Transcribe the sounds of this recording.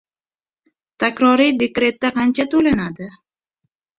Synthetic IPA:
t̪ʰakʲɾɒɾid̪e̞kɾe̞t̪̚ːaqʰɑnt͡ʃʰat̪ʰolanad̪ɪ

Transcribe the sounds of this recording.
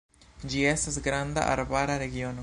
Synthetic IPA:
d͡ʒie̞stasɡɾanda̰ʔa̰ɾbaɾaɾe̞ɡio̞no

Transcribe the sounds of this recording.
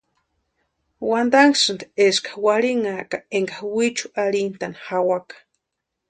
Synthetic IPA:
wand̪aŋksɨnd̪eskḁwaɾiŋakaeŋɡawit͡ʃu̥aɾint̪anhawakḁ

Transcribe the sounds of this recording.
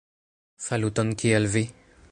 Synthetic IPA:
falut̪ankʰeɛlve

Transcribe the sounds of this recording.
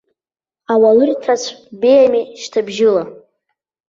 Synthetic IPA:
awalɨrtʰat͡ɕʷʰbejamiʃtʰabʒɪla

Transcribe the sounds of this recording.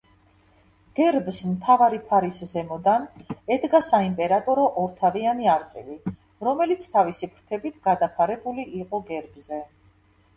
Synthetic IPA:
ɡ̥ɛɾbsmt̪ʰavaɾipʰaɾiszɛmɔd̪anɛd̪ɡasaimpʼɛɾat̪ʼɔɾɔʔɔɾt̪ʰavianiaɾt̪sʼḭli | ɾɔmɛlit̪sʰt̪ʰavisipʰɾ̥t̪ʰɛbit̪ʰɡ̥ad̪apʰaɾɛbuliʔːqʼɔɡɛɾbzɛ

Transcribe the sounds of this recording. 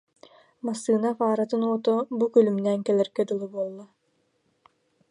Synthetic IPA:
masːɯːnafaːɾat̪ɯnuɔt̪ɔbukœlymnɛːŋkɛlɛɾkɛd̪ulˠubuɔlˠːa

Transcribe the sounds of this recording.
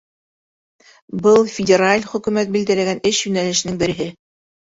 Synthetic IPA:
bɤlˠfʲɪdʲɪɾalʲχɵ̆kʉmæt̪̚bild̪ælæɡænɘʃjʉnælɘ̆ʃnɘŋbɘ̆ɾɘ̆ɦɘ

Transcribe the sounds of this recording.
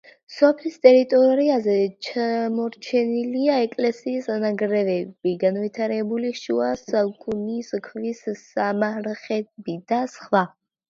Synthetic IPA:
sɔpʰlist̪ʼɛɾit̪ʼɔɾiazɛt͡ʃʰamɔɾt͡ʃʰɛniliaɛkʼlɛsiːsanaɡɾɛvɛb̥iɡanvit̪ʰaɾɛbuliʃuasakʰʼuniskʰvissamaɾχɛbid̪asχwa

